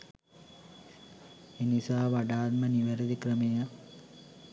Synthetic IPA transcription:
enisaːʋaɖaːt̪mɐniʋɐɾɐd̪ikɾɐmeja

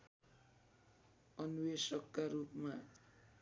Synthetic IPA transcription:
ʌnuwesʌkːaɾupma

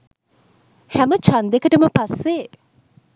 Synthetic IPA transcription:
hæmət͡ʃand̪ekəʈəməpasːe

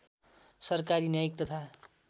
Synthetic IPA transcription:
sʌrkaɾinjajik̚t̪ʌt̪ʰa

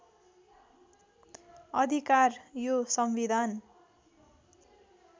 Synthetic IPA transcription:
ʌd̪ʱikarjosʌmbid̪ʱan

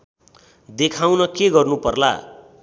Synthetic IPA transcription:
d̪ekʰawnʌkeɡʌrnupʌrla̰

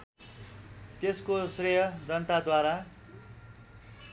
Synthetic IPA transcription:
t̪eskosrejʌd͡zʌnt̪ad̪waɾa

